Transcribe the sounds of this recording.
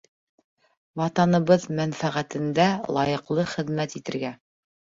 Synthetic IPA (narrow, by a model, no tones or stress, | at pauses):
wɑt̪ɑnɤ̆βɤðmænfæʁæt̪ɘ̆nd̪ælˠɑjɤ̆qlˠɤχɘ̆ðmæt̪it̪ɘ̆ɾɡæ